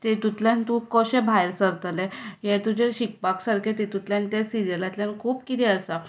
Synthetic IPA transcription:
t̪et̪ut̪ljãnt̪ũkɔɕẽbʱajɾsəɾt̪alɛjet̪ud͡ʑeɕik̚paksaɾkʰet̪et̪ut̪ljãnt̪jasiɾijəlat̪ljankʰuːpkit̪ʰiəsa

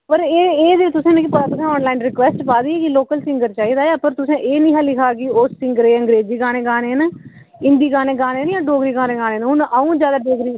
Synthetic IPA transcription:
pəɾeːeːd̪eːt̪ʊsẽːnẽːkipət̪aːt̪ʊsẽːɔːnlaːɪnɾɪkʋɛːsʈpaːd̪iːeːkɪloːkəlsɪ̃ŋɡəɾt͡ʃaːiːd̪aːeːpəɾt̪ʊsẽːʔeːnĩːɦəlːɪkʰaːkɪoːsːɪ̃ŋɡəɾeːəŋɡɾeːd͡ʒiːɡaːnẽːɡaːneːnː | ɪ̃nd̪iːɡaːnẽːɡaːnẽːnjãːɖoːɡɾiːɡaːnẽːɡaːnẽːnɦʊnəũːd͡ʒjaːd̪aːɖoːɡɾiː

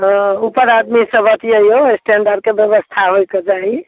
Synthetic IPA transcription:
ɦupəɾad̪misəbʱət̪iəioesʈeɳɖəɾɖ̚kebjəbəst̪ʰaɦojked͡ʒaɦi

